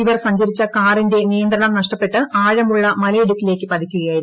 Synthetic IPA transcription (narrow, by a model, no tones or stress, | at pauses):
iʋɐrsɐɲd͡ʑɐɾit͡ɕːɐkaːrinde̞nijɐnd̪ɾɐɳɐmnɐʂʈɐpːe̞ʈːɨaːɻɐmuɭːɐmɐlɐiɽuk̪ːile̞ːkːɨpɐd̪ʱikʲːuɣɐjaːjiɾu